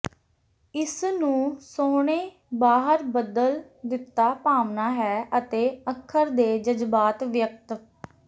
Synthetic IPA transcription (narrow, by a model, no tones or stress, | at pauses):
ɪsnũːsoːɳ̃eː | baːɦəɾbəd̪əl | d̪ɪt̪ːaːpaːmnaːɦɛːʔət̪eːəkʰːəɾd̪eːd͡ʒəzbaːt̪ʋjək̚t̪